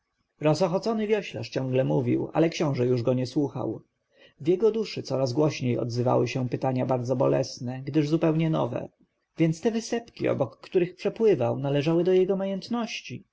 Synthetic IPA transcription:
ɾɔsɔxɔt̪sɔnɘvʲjɔɕla̰ʂt͡ɕɔ̃ŋɡlɛmuvʲḭwʔa̰lɛkɕɔ̃w̃ʐɛjuʐɡɔɲɛswuxa̰w | vjɛɡɔd̪uʂɘt̪sɔɾazɡwɔɕɲejɔ̰d̪zɘva̰wɘɕɛpɘt̪aɲabaɾd̪zɔbɔlɛ̰snɛɡd̪ɘʐzupɛwɲɛnɔ̰vɛ̰ | vʲjɛnt̪st̪ɛvɘsɛpkʲiɔ̰bɔkːt̪uɾɘxpʂɛpwɘvawnalɛʐawɘd̪ɔjɛɡɔmajɛnt̪nɔɕt͡ɕi

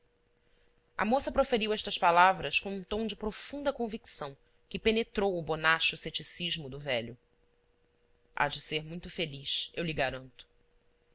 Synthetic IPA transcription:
ɐ̰mosɐpɾofeɾiwɛʃt̪ɐʃpalavɾɐʃkõũt̪õw̃d͡ʒɪpɾofũnd̪ɐkõviksɐ̃w̃ | kɪpenet̪ɾowʊbonaʃʊset͡ʃisiʒmʊd̪ʊvɛʎʊ | ʔa̰d͡ʒɪseɾmũj̃t̪ʊfeliʃewliɡaɾɐ̃nt̪ʊ̥

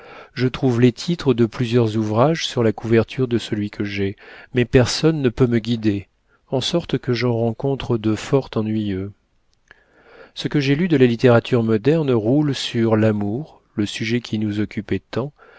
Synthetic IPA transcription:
ʒət̪χuvlet̪ʰit̪χəd̪əplyzjœʁzuvʁaʒsyʁlakuvɛʁt̪ʰyʁd̪əsəlɥikəʒɛmɛpɛʁsɔnːəpøməɡʲid̪e | ɑ̃sɔʁt̪kəʒɑ̃ʁɑ̃kɔ̃t̪χəd̪əfɔʁt̪ɑ̃nɥijø | səkəʒɛlyd̪əlalit̪eʁat̪ʰyʁmɔd̪ɛʁnʁulsyʁlamuʁ | ləsyʒɛkʲʰinuzɔkʲypɛt̪ɑ̃

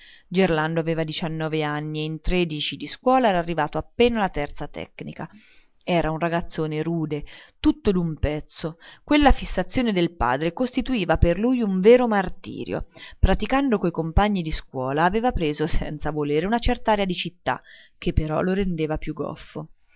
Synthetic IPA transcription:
d͡ʒerland̪oaveːvad̪it͡ʃanːɔːveanːieint̪ɾeːd̪it͡ʃid̪iskwɔːlaɛːɾaːrːivaːt̪oapːeːnalat̪ɛrt̪sat̪ɛ̰knika | ɛːɾaunraɡat̪sːoːneɾuːd̪et̪ut̪ːod̪umpɛt̪sːokwelːafisːat̪sːjoːned̪elpa̰ːd̪ɾekost̪it̪uiːvaperlujuɱveːɾomart̪ḭːɾjo̰pɾat̪ikand̪okoikompaɲːid̪iskwɔːlaːveːvapɾeːzosɛ̰nt̪savoleːɾeunat͡ʃɛrt̪aaːɾead̪it͡ʃit̪ːa̰k̟epːeɾɔ̰loɾend̪eːvapjuɡːɔ̰fːo

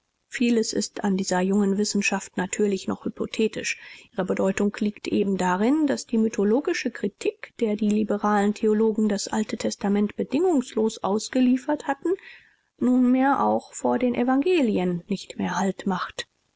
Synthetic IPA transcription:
fiːləsɪ̰stʰandiːzɐjʊŋənvɪsn̩ʃaftnatʰyːɐlɪçnɔχhypotʰɛːtɪʃʔiːʁəbədɔʏtʊŋkliːktʔeːbm̩daʁɪndasd̥iːmytʰoloːɡɪʃəkʁ̥itʰiːkd̥eːɐdiːlibəʁaːləntʰeoloːɡŋ̩dasʔa̰ltətʰɛstamɛntb̥ədɪŋʊŋsloːsʔaʊsɡ̥əliːfɐthatn̩ | nuːnmeːɐʔa̰ʊxfoːɐdeːnʔɛvaŋɡeːliənːɪçtmḛːɐhaltmaχt

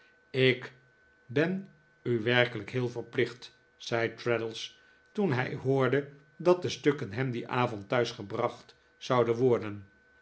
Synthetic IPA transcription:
ɪk | bɛn | yʋɛɹkələkɦɪːlˠvəɹplɪχt | sɛjtɹɛdəlˠs | tunɦɛjɦʊːɹdə | dɑt̚dəstøkənɦɛmdiʔaːvɔntːœɥsχəbrɑχt | sɑwdənʋɔɹdən

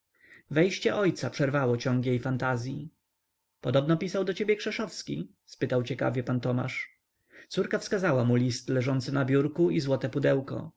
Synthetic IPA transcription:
vɛjɕt͡ɕɛʔɔjt̪sapʂɛɾvawɔt͡ɕɔ̃ŋɡjejfant̪azʲji | pɔd̪ɔbnɔpʲisawd̪ɔt͡ɕebʲjɛkʂɛʂɔfskʲḭ | spɘt̪awt͡ɕɛka̰vʲjɛpant̪ɔma̰ʂ | t̪suɾkafskazawamulʲist̪lɛʐɔnt̪sɘnabʲjuɾkuizwɔt̪ɛpud̪ɛwkɔ̰

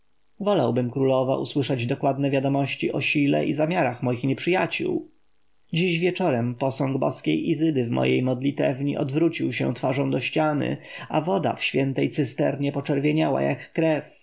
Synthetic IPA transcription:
vɔlawbɘmkɾulɔva̰ʔṵswɘʂɛd͡ʑd̪ɔkwad̪nɛvʲjad̪ɔmɔɕt͡ɕiʔɔɕilɛ̰ʔizamʲjaɾaxmɔjixɲɛpʂɘjat͡ɕṵw | d͡ʑiʑvʲjɛt͡ʂɔɾɛmpɔsɔ̃ŋɡbɔ̰skʲejʔizɘd̪ɘvmɔ̰jejmɔd̪lʲit̪ɛ̰vɲiʔɔd̪vɾut͡ɕiwɕɛ̰̃t̪faʐɔ̃w̃d̪ɔɕt͡ɕanɘ̰avɔd̪a̰fɕfʲjɛnt̪ɛjt̪sɘst̪ɛɾɲɛpɔt͡ʂɛɾvʲjeɲawa̰ja̰kːɾɛf

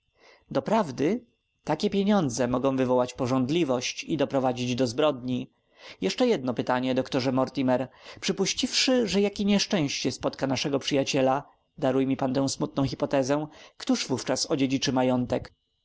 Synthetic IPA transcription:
d̪ɔpɾavd̪ɘ | t̪akʲɛpʲjeɲɔnd̪zɛmɔɡɔ̃w̃vɘvɔwat͡ɕpɔʐɔnd̪lʲivɔɕt͡ɕid̪ɔpɾɔvad͡ʑid͡ʑd̪ɔzbɾɔd̪ɲi | jɛʂt͡ʂɛjɛd̪̚nɔpɘt̪aɲɛd̪ɔkt̪ɔʐɛmɔɾt̪ʲimɛɾpʂɘpuɕt͡ɕifʂɘʐɛjakʲiɲɛʂt͡ʂɛ̃w̃ɕt͡ɕɛspɔt̪kanaʂɛɡɔpʂɘjat͡ɕɛla | d̪aɾujmʲipant̪ɛ̃w̃smut̪̚nɔ̃w̃xʲipɔt̪ɛzɛkt̪uʐvuft͡ʂasɔd͡ʑed͡ʑit͡ʂɘmajɔnt̪ɛk

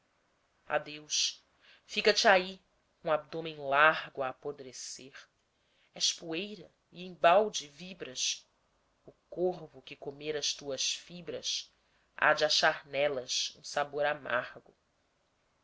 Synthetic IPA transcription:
a̰d̪ewʃ | fikɐt͡ʃɪai | ũab̚d̪õmẽj̃lahɡʊaːpod̪ɾeseɾ | ɛʃpuejɾɐ | ɪẽj̃bawd͡ʒɪvibɾɐs | ʊkohvʊkɪkomeɾɐʃt̪uɐʃfibɾɐs | a̰d͡ʒɪaʃaɾnɛlɐʃṵ̃saboɾama̰ɾɡʊ̰

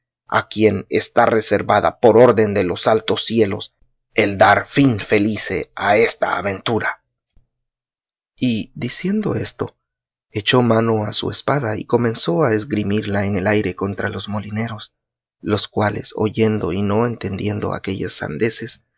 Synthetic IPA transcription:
a̰kje̞nḛst̪are̞se̞ɾβaða̰po̞ɾo̞ɾðe̞nd̪e̞lo̞salt̪o̞sːje̞lo̞s | eld̪aɾfinfe̞liseae̞st̪a̰ːβe̞nt̪uɾa | iðisje̞nd̪o̞̰e̞st̪o̞ | e̞t͡ʃo̞mano̞asṵe̞spaðaḭko̞mẽ̞nso̞aezɡɾimiɾlaeŋe̞lajɾe̞ko̞nt̪ɾalo̞zmo̞line̞ɾo̞s | lo̞skwale̞̰so̰ʝe̞nd̪o̞̰ino̞e̞nt̪e̞nd̪je̞nd̪o̞̰a̰ke̞ʝesːa̰nd̪e̞ses

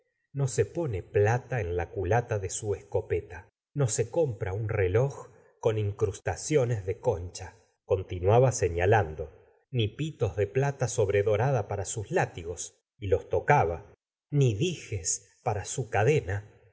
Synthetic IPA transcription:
no̞se̞po̞neplat̪aenlakulat̪aðesuesko̞pet̪a | no̞se̞ko̞mpɾaunrelo̞x | koniŋkɾust̪asjo̞nezðe̞kont͡ʃa | ko̞nt̪inwaβaseɲaland̪o̞ | nipit̪o̞zðe̞plat̪aso̞βɾe̞ðo̞ɾaðapaɾasuslat̪iɣo̞s | ilo̞st̪o̞kaβa | niðixes | paɾasukaðena

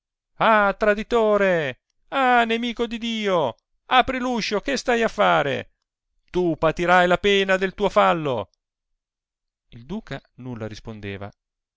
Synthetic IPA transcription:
at̪ɾad̪it̪oːɾe | anemiːkod̪id̪iːo | aːpɾiluʃokɪst̪ajafːaːɾḛ | t̪upat̪iɾajlapɛːnad̪elt̪uːofalːo̰ | ild̪uːkanulːaɾispond̪eːva̰

